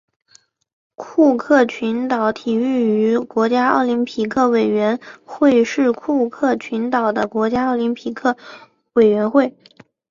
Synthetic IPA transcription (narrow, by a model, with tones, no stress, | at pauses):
kʰu˥˧kʰɤ˥˩t͡ɕʰy˧˥nt̪ɑ˨˧˩ʊt̪ʰi˨˩y˥˩y˧˥kwɔ˧˥t͡ɕja˥ɑ̰˥˩ʊli˧˥npʰi˨˩kʰɤ˥˩we˨˩ɪɥɛ˧˥nxwe˥˧ɪʂɻ̩˥˧kʰu˥˧kʰɤ˥˩t͡ɕʰy˧˥nt̪ɑ˨˩ʊd̪ə˦kwɔ˧˥t͡ɕja˥ɑ˥˩ʊli˧˥npʰi˨˩kʰɤ˥˩ | we˨˩ɪɥɛ˧˥nxwe˥˩ɪ